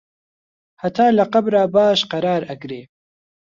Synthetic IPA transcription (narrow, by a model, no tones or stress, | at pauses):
hɐt̪ʰaːlɐqɐbɾaːbaːʃqɐɾaːɾɐkɾeː